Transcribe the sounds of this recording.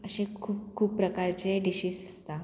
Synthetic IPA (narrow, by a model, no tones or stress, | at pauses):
əɕẽkʰuːpkʰːuːpːɾəkaɾt͡seɖiɕiːsəst̪a